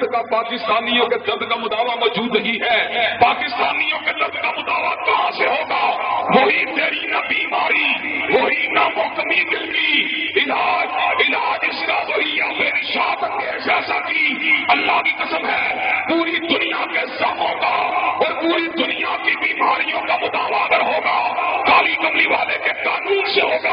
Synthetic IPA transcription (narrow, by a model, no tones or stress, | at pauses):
kapaːkɪst̪aːnijõked̪ɐd̪kamʊd̪aːʋamɔːd͡ʒuːd̪əɡiɦɛːpaːkɪst̪aːnijõked̪ɐd̪kamʊd̪aːʋak̪ɐɦãseɦoːɡaːʋoːɦit̪eːɾinabiːmaːɾiʋoːɦinamɔːkəmikɪlkiːɪlaːd͡ʒɪlaːd͡ʒɪskaoijameːɾiʃaːtənd̪eʃaːʃat̪iɐlːakiqɐsəmɦɛpuːɾid̪ʊnijakesɐfɦoːɡaɔːɾpuːɾid̪ʊnijakebiːmaːɾijõkamʊt̪aːʋaːkəɾɦoːɡaːkaːlikɐmliʋaːlekekaːnuːnseɦoːɡa